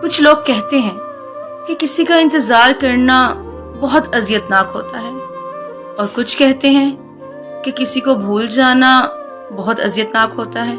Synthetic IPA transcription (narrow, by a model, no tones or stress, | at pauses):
kʊt͡ʃʰloːɡ̚kɛɦt̪eɦɛ̃ | kekɪsikaɪ̃nt̪ɪzaːɾkɐɾna | bɔɦʊt̪ɐzjət̪naːkɦo̰ːt̪aɦɛː | ɔːɾkʊt͡ʃʰkɛɦt̪eɦɛ̃ | kekɪsikobʱuːld͡ʒaːna | bɔɦʊt̪ɐ̰zjət̪naːkɦoːt̪aɦɛː